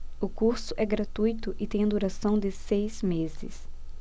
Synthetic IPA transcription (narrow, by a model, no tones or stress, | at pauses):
ʊkuɾsʊʔɛɡɾat̪ujt̪ʊʔɪt̪ẽj̃ɐd̪uɾasɐ̃w̃d̪ɪsejzmezɪ̰s